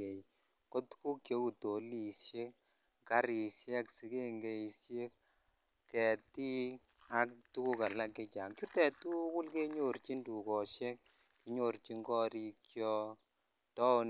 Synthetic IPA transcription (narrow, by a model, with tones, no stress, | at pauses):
e˨ | ko˦tu̥˦ku˦kje˦u˨to˨li˨sje˦ | ka˦ɾi˨sjɛ˦ksi˨˦ke˦ŋɡe˦i˨sje˦k | kɛ˨ti˦ | a˦ktu˦ku˦ka˨la˦kːe˧t͡ʃa˨ŋt͡ʃu˦tɛ˨tu˦ku˦lke˦ɲo˨rt͡ʃi˦ndu˨kɔ˨ʃɛ˦k̚ | ki˦ɲo˨ɾt͡ʃi˦ŋɡɔ˦ɾi˧kjɔ˧ | tɔ˦n